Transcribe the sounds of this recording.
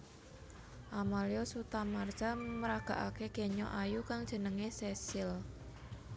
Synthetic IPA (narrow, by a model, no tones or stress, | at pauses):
ʔamaliɔsut̪amard̥ʒ̥aməɾaɡ̥ä̤ʔakeɡ̥eɲɔʔajukaŋd̥ʒ̥ə̤nəŋesesɪl